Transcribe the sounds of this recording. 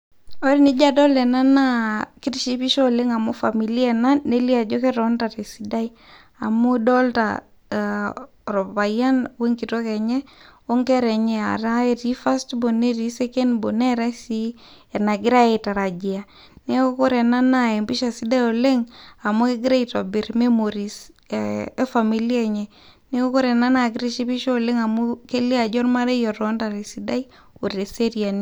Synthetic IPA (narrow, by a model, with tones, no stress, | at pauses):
o˦ɾi˦ni˦d͡ʒadɔ˦lɛ˨na˦naki˦tʃi˦pi˦ʃɔ˦le˦ŋa˨mo˦fa˨mi˨li˦ɛ˨na˦nːe˦li˦a˨d͡ʒo˦kɛ˦ɾɔntate˨si˦da˦i | a˨modɔlta̰ | ɾɔ˨pa˨ja˦nwe˦ŋki˨to˦kɛ˨ɲɛ˦o˦ŋkɛ˦ɾɛ˨ɲɛ˦a̰˨ta˦e˨ti˦fa˦stbo˨ne˦ɾi˦sekɛ˦nbo˨nɛ˦ɾɛ˦si˦ | e˨na˨ɡɪ˦ɾa˦e˨ta˨ɾa˨d͡ʒi˨a˨ | ne˦o˦ko˦ɾɛ˨na˦na˦e˨mbi˦ʃa˨si˦da˦jo˨le˦ŋa˨mo˦ke˦ɡɾe˦ito˨bi˨ɾme˦moɾi˨s | e˦fami˨li˦ɛ˨ɲɛ˦ | ne˦o˦ko˦ɾɛ˨na˦na˨ɡɪɾe˦ʃi˦pi˦ʃo˦o˨le˦ŋa˨mu˦ke˦li˦a˨d͡ʒɔ˦rma˦ɾe˦jɔ˨ɾɔ˦nta˨ɾe˨sida˦i | o˨ɾe˨se˦ɾia˨n